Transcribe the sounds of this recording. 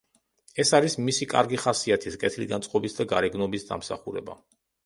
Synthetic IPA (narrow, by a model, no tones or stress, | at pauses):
ɛsaɾismisikʼa̰ɾɡiχasiat̪ʰiskʼɛt̪ʰilid̪ansʼqʼɔbisd̪aɡaɾɛɡnɔbisd̪a̰msa̰χuɾɛ̰ba̰